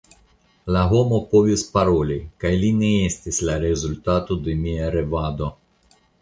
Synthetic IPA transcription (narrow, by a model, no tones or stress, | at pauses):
laɦo̞mo̞po̞vispaɾo̞likajline̞estislaɾe̞zultato̞d̪e̞miaɾe̞vad̪o̞